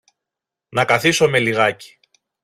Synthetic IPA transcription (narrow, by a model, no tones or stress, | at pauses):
nɐkɐθiso̞me̞liɣɐci̥